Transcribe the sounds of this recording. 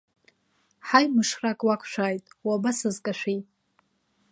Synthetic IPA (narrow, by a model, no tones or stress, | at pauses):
ħajmɨʂrakʼwakʷʰʃʷᶣaːjtʼwabasɨzkʼaʃʷᶣijʼ